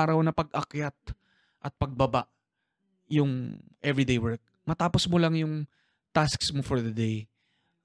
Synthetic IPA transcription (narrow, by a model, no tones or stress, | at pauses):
aːɾɐwnɐpɐɡ̚ʔɐkjat̪̚ | ʔɐt̪̚pɐɡ̚bɐbaʔ | jʊŋʔɛvɹid̪ejwɛɹk̚ | mɐt̪aːposmolaŋjʊŋ | t̪asksmofɔɹðɐd̪ej